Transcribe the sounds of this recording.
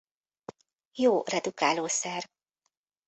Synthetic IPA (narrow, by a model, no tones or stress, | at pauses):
joːrɛd̪ukaːloːsɛr